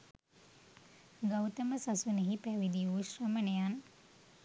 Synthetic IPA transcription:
ɡawt̪əməsasuneɦipæʋid̪ijuːʃrəmənejan

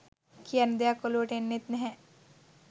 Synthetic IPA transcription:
kʰiɐnd̪jakoloːʈenːet̪nɛɦɛ̃

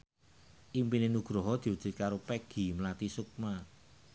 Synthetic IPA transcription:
ʔimpinenuɡ̥ɾɔɦɔd̪̥i̤ud̥d͡ʒ̥i̤t̪̚kaɾopɛɡ̥i̤mlat̪isuk̚ma

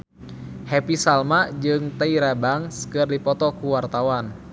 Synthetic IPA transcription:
hɛpisalmad͡ʒɨŋt̪aiɾabaŋsə̥kɨrdipɔt̪ɔkuwart̪awan

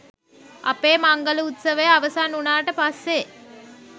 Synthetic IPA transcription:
ɐ̰peːmaŋɡəluut̪səʋəjəaʋəsaːnunaːʈəpasːe

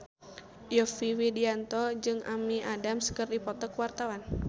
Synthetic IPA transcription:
jɔfiwidiant̪ɔd͡ʒɨŋa̰miʔadamskɨrdipɔt̪ɔkəwart̪awan

